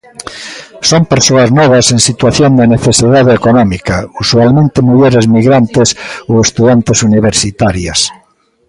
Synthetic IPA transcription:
sompeɾsoaznɔβ̞aseŋsit̪waθjond̪eneθesiðaðeekonɔmikausualmẽnt̪emuʎeɾezmiɣɾant̪esowest̪uðant̪esuniβ̞eɾsit̪aɾjas

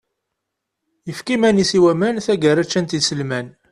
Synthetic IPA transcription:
jəfkimænisiwæmænθæɡəɾæt͡ʃːænt̪id̪səlmæn

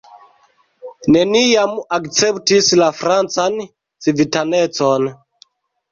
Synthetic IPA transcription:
nenijamakt͡sɛptislafɾant͡san | t͡sivitanet͡son

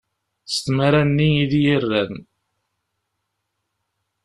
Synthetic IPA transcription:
st̪maɾænːiiðjirːæn

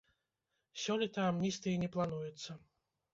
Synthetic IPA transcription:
ʃʲɔlʲit̪aːmːʲisʲt̪iːɲiplˠanuːjut̪sa

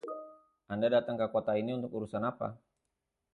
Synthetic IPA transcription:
andadat̪aŋkakuɔt̪ainiunt̪ukuɾusanapa̰

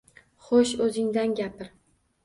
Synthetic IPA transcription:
χoʃɵzɪŋd̪anɡʲapɪɾ

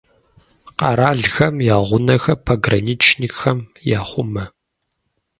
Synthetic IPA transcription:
qɑ̰ɾaːɮxɐmjaːʁʷʊnɐxɐpʰaɡrɐniːt͡ʃʰnixɐmjaːχʷʊmɐ

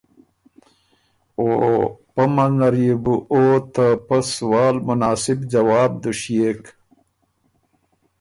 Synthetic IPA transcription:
oːpɐmɐnɐɾibuʔoːt̪apɐswaːlmʊnaːsɪbd͡ʑawaːb̚d̪uɕjeːk

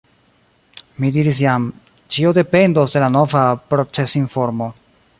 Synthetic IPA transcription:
midiɾis̬jam | t͡ʃio̞de̞pe̞ndosde̞lano̞vapɾo̞t͡se̞sinfo̞ɾmo̞

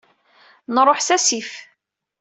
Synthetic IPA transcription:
nɾˤoħsæsif

